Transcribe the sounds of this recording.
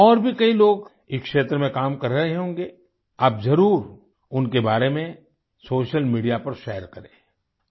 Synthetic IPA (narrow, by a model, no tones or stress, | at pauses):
ɔːɾbʱikɐiloːɡ | ɪkʃeːt̪ɾəmẽkaːmkɐɾːɐɦeɦõːŋɡeː | aːpzɐɾuːɾ | ʊnkebaːɾemẽ | soːʃəlmiːɖijapɐɾʃɛːəɾkɐɾḛ̃ː